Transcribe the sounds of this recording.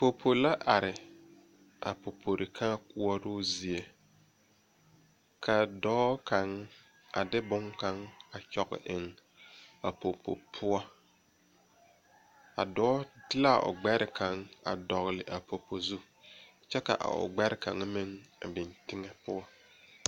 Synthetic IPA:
po˨pʰo˨la˦ʔa˨ɾɪ˨ | ʔa˨po˨pʰo˨ɾɪ˨kʰa˦kʊ˦ɔ˦ɾʊː˦zi˨e˦ | kʰa˨dɔː˦ka˨ŋ˦ | a̰˨dɪ˦bʊ˦ŋka˦ŋa˨t͡ʃɔ˨ɣɪ̰˨ʔɪ˨ŋ | a˨po˨po̰˨pʰʊ˦ɔ˦ | a̰˨dɔ˦dɪ˦la˦˨ʔʊ̰˨ɡ͡bɛ˦ɾɪ˨ka˨ŋa̰˨dɔ˨ɣlɪ˨ʔa˨po˨po˨zu˦ | t͡ʃɛ˦ka̰˨ʔa̰˨ʊ̰˨ɡ͡bɛ˦ɾɪ˦ka˨ŋ˦mɪ˦ŋa˨bɪ˨ntɪ˦ŋɛ˦pʊ˦ɔ˦

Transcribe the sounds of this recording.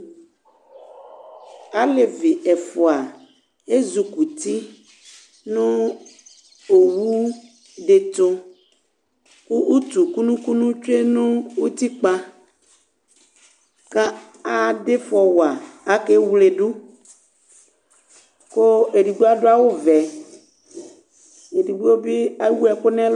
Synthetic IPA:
a˦le˨vi˨ɛ˨fo˨a˨ | e˦zu˨ku˨t̪i˦ | nũ˦ | o˨wu˦ | ɖe˨t̪o˦ | ku˦ʔu˦t̪u˨ku˦nũ˦ku˦nũ˦t͡ʃe˦nũ˦wu˦t̪i˦k͡pa˦ | ka˦ | a˦ɖe˦fɔ˨wa˨a˦ke˦wu˦le˨ɖu˦ | ko˦e˨ɖi˨ɡ͡bu˦a˦ɖo˦a˦wo˦vɛ˨ | e˨di˨ɡ͡bu˦o˦bi˦a˦wu˦ɛ˨ko˦nɛ̃˦l

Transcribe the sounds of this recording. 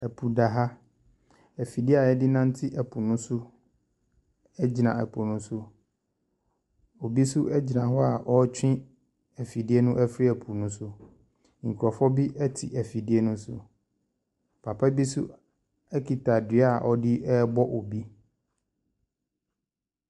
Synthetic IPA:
ɛ˨pʰu˨da˨ɦa˦ | æ˨fi˨di˦a˨ɛ˦dɪ˦nã˦n̩˦tʰɪ˦ʔɛ˨pʰu˨nʊ̃˦sʊ˦ | ɛ˦d͡ʑi˨nã̰˨ɛ̰˨pʰu˨nʊ̃˦sʊ˦ | o˨bi˦sʊ˦ʔɛ˦d͡ʑi˨nã˨ɦɔ˦a˨ɔ˦t͡ɕʰᶣɪ̃˦ | æ˨fi˨di˦e˦nʊ̃˦ʔɛ˦fɾi˦ɛ˨pʰu˨nʊ̃˦sʊ˦ | ŋ̩˨kʰu˨ɔ˨fɔ˦bi˦ʔɛ˦tʰɪ˨ʔɛ˨fi˨di˦e˦nʊ̃˦sʊ̰˨ | pʰa˨pʰa˦bi˦sʊ̰˦ | ɛ˦kʰi˨tʰa˨dɪ˨˦a˨ʔɔ˦dɪ˦ɛ˦bɔ˦ʔo˨bi˦

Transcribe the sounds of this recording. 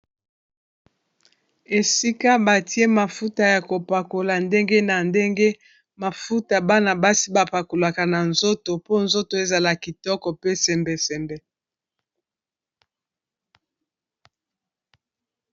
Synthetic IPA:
e˨si˦ka˦ba˨ti˦e˦ma˨fu˦ta˨ja˨ko˨pa˨ko˨la˨nde˦ŋɡe˦na˨nde˦ŋɡe˦ | ma˨fu˦ta˨ba˦na˨ba˦si˦ba˨pa˨ko˨la˨ka˨na˨nzo˦to˨po˦nzo˦to˨e˦za˨la˨ki˨tɔ˦kɔ˨pe˦sɛ˨mbɛ˨sɛ˨mbɛ˨

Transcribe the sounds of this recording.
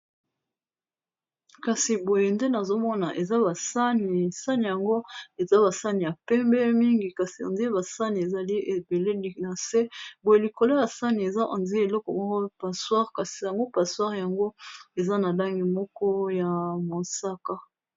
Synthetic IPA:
ka˨si˨bo˨je˨nde˦na˨zo˦mɔ˦na˨ʔe˨za˦ba˨sa˦ni˨sa˦ni˨ja˨ŋɡo˦e˨za˦βa˨sa˦ni˨ja˨pɛ˦mbɛ˦mi˦ŋɡi˨ka˨si˨ã̰˨nzi˦e˦ba˨sa˦ni˨e˨za˨li˦e˨be˨le˦li˨na˨se˦bo˨je˨li˨ko˨lo˦ja˨sa˦ni˨e˨za˦ʔã̰˨nzi˦e˨lɔ˦kɔ˨mɔ˦kɔ˦pa˨swa˦ʁka˨si˨ja˨ŋɡo˦pa˨swa˦ʁja˨ŋɡo˦e˨za˦na˨la˦ŋɡi˨mɔ˦kɔ˦ja˨mo˨sa˦ka˦

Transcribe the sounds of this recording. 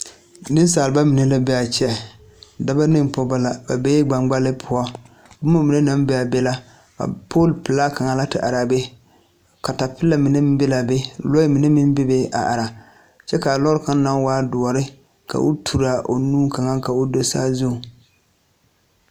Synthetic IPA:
nɨ˦n˦saː˨lba˦mɪ˨ne˦la˦bɛ˦a˨t͡ʃɛ˨ | da˦ba˦nɨ˦m˨pɔ˦ba˦la˨ba˨be˦ɡ͡ba˨ŋɡ͡ba˦lɪ˦pʰʊ˨ɔ˦ | bʊ˦ma˦mi˨ne˦na˦mbɛ˦˨a˨bɛ˦la˦ | a̰˨pʰoː˦˨lpɪ˨la˦ka˨ŋa˨la˦tɪ̰˨ʔa˨ɾa˨be˦ | ka˨ta˨pɪ˦lːa˨mi˨ne˦mɪ˦bɛ˦la˨be˦lɔ˦ɪ˦mi˨ne˦mɪ˦m˦be˦be˦ʔa̰˨ʔa˨ɾa˨ | t͡ʃɛ˦ka˨lɔ˦ɾka˦na˦ŋ˦waː˦dʊ˨ɔ˨ɾɪ˦ | ka̰˨ʔʊ˦tʰu˨ɾa˨ʔo̰˨nuː˦ka˨ŋa˦ka˨o˦do˦saː˦zʊ˦˨

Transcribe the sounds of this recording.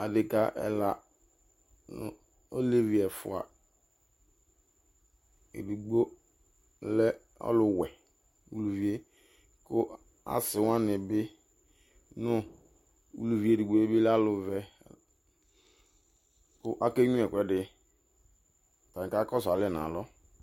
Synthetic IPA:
a˨dɪ˨ka˦ʔɛ̰˨la˨ | nʊ̰˦ | o˦le˦vi˨ɛ˨fʊ̰˨a̰˨ | ḛ˨di˨ɡ͡bo˦ | lɛ˦ | ɔ̰˦lʊ˨wɛ˨ | wṵ˨lu˨vi˨˦e˦ | kʊ˦ | a̰˦sɪ˨wã˦nɪ˨bɪ˦ | nʊ˦ | ṵ˦lu˨vi˦e˨di˨ɡ͡bo˦e˦bɪ˦la˦lʊ˨vɛ˨ | kʊ˦ʔa˦ke˦ɲũ˦ɛ˨kʷɛ˦dɪ˨ | ta˨ka˦kɔ˦sa˨lɪ˦˨n˨ã̰˨lɔ˦

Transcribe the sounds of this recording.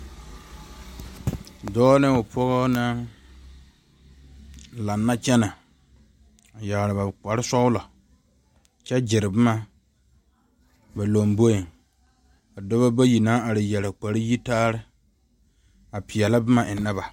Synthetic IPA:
dɔː˦nɪ˦ʊ˨pʰɔ˦ɣɔ˦na˦ | la˨nːa˦t͡ʃɛ˦na˨ | a˨ja˨ɣɾɪ˨ba˨k͡pa˨ɾɪ˦sɔ˦ʊ˦lɔ˨ | t͡ʃɛ˦d͡ʒɪ˨ɾɪ˨bɨ˦ma˨ | ba˨lo˨mbo˦i˨ŋ | a˨dɔ˦βa˦ba˦ji˨na˦a˨ɾɪ˨jɛ˨ɾa˨k͡pa˨ɾɪ˦ji˦taː˦ɾɪ˦ | a˨pɪ˨jɛ˨la˦bɨ˦ma˨ʔɪ˨nɪ˦ba˨

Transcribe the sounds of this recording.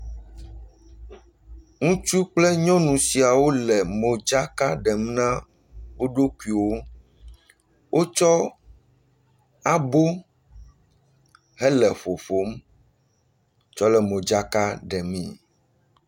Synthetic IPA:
ŋũ˦t͡ʃu˦k͡plɛ˦ɲɔ̃˦nũ˨si˨a˨wo˦lɛ˨mõ˨d͡ʒa˦ka˦ɖɛ˨m˦nã˦ | wo˦ɖo˦ku˨i˨wo˦ | wʔo˦t͡ʃɔ˦ | a˦bo˦ | ɦɛ˦lɛ˨ɸo˨fo˨˦m | t͡ʃɔ˦lɛ˨mõ˨d͡ʒa˦ka˦ɖɛ˨mḭ̃˦

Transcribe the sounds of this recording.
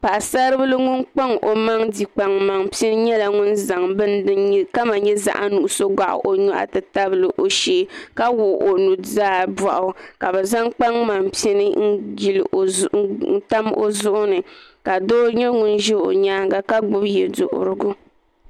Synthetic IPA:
pa˨ʔsa˦ɾɨ˦bɨ˦lɨ˦ŋʊ˦nk͡pa˦ŋʔo˨ma˦ŋdi˨k͡pa˨ŋma˨ŋpi˦ɛ˦nɨ˦ɲɛ˦la˨ŋʊ˦nza˨ŋbɨ˦nɨ˦ka˦ma˨ɲɛ˦za̰˨ʔa̰˦nu˨ʔʊ˦so˦ɡa̰˨ʔʊ̰˨ʔo˨ɲɔ˦ʔa̰˨tɨ˨ta˦bɨ˦lɨ˨ʔo˨ʃeː˦ka˦wʊ˨ʔo˨nu˨zaː˦ba˨ʔʊ˨ka˨bɛ˨za˦ŋk͡pa˦ŋma˨mpi˦i˦nɨ˦ŋ̩˦ɡi˨l̰ | ta˦mo̰˦zʊ˦ʔʊ˦nɨ˨ka˨doː˦ɲɛ˦ŋʊ˦nʒɛ˦o̰˨ɲaː˦ŋɡa˦ka˦ɡ͡bʊ˦bjɛ˨dʊ̰˨ʔʊ̰˨ɾʊ˦ɡʊ˦

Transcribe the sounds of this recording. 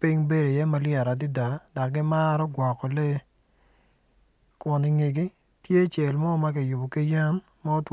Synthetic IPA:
pi˦ŋbe˦ɾo˨jɛ˦ma˦lɪa˨ɾa˨dɪ˦da˨da˨kɡɪ˦ma˦ɾɔ˦ɡwɔ˨kːɔ˨le˦ | kʊ˨nɪ˨ŋɪ˨ɡi˦ | tje˦t͡ʃe˨lmɔ˦ma˦kɪ˨jʊ˨bo˨ki˦ja˦n | mɔ˦t

